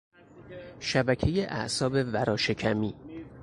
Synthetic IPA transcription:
ʃæbæcʰe̞jeʔæ̰ʔsɒːbe̞væɾɒːʃe̞cʰæmiː

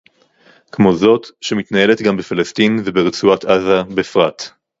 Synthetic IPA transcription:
kmo̞zo̞t̪ʃemit̪nae̞le̞t̪ɡambefalastinvebeʁet͡suat̪ʰazabefʁat̪

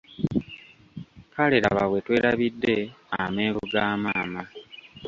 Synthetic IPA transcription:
kaleɾa̰βaβwe̞twe̞ːɾaβidːe̞ | ameːβuɡaːmaːma

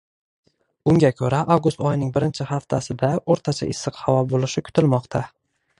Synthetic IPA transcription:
ʊŋɡʲakʲʰɵɾaʔawɡʊst̪ɒjnɪŋbɪɾɪnt͡ʃʰɪhaft̪ʰasɪd̪aoɾt̪ʰat͡ʃʰa̰ʔɪsːɨqhavɒbolɪʃɪkʰʊ̥t̪ʰɪlmɒqt̪ʰa

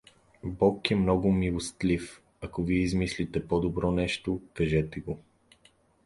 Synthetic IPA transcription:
bɔkɛmnɔɡʊmilˠost̪lif | ɐkoviizmislit̪ɛpod̪obɾɔnɛʃt̪okɐʒɛt̪ɛɡo

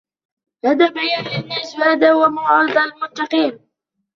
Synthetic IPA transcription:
had̪aːbajanlʔanːashaːd̪aːhwamʊʕɑɾɨd̪ˤlmʊnt̪ɑqiːn

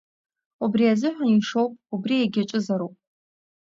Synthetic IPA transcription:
ubriazɨħʷᶣaniʂowpʼubrijaɡʲaʈ͡ʂʼɨzaɾowpʼ

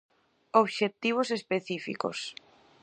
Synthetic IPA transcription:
oβʃet̪iβ̞osespeθifḭko̰s

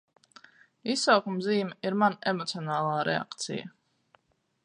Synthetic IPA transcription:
isawkumziːmɛiɾmanɛmɔt̪siɔnaːlˠaːɾɛ̰a̰kt̪sḭja̰

